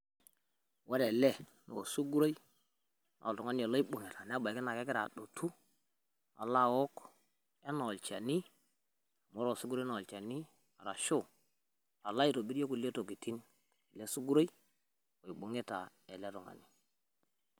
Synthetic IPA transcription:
wa˦ɾe˨le˦ | no̰˨su˦ɡu˦ɾo˦i˦ | nʔo̰˨tu˨ŋa˦ni˦e˨lo˦i˦ɓu˨ŋe˨ta˨n˦a˦ba˨ke˦na˨ke˦kɪ˦ɾa̰˨ɗo˨tʰu˦ | a̰˨la˦˨wo˦k | e˦no˨lt͡ʃa̰˨ni˦ | a˨mo˦ɾo˦˨su˦ɡu˦ɾo˦no˨lt͡ʃa˨ni˦ | a˨ɾa˨ʃo˦˨ | a˨la˦i˦to˨bi˦ɾo˦ku˨le˦to˨ki˨ti˦n | e˨le˦su˦ɡu˦ɾo˦i˦ | o˨i˨ɓu˨ŋe˦ta˨ | e˨le˦to˨ŋa̰˨ni˨

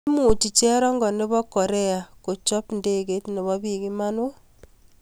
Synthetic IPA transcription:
mu˨t͡ʃi˨t͡ʃɛ˦ɾɔ˦ŋɡɔ˨ne˦bɔ˦kɔ˨ɾe˦a˨ko˨t͡ʃɔ˦pnde˦ke˦tne˨βɔ˦pi˨ki˦ma˦no˦

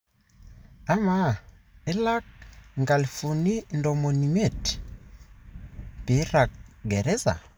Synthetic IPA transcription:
a˦ma˦ɛ˦la˦k̚ŋɡa˨lfu˨ni˦ndɔ˨mo˨ni˨me˦˨t | pe˨˦ɾa˨k̚ɡɛ˨ɾɛ˦za̰˨

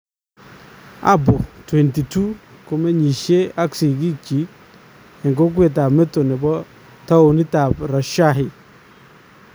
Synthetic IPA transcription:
a̰˦bo˨twɛ˨nti˨tu˦ | ko˨me˦ɲi˨ʃe˦a˦ksi˨ki˦t͡ʃi˨˦k̚ | ɛ˨ŋɡo˦k̬we˨t̬a˨mɛ˦to˨nɛ˨bɔ˦ | ta˦o˨ni˦ta˨pɾɔ˨ʃa˦ɦɪ˨

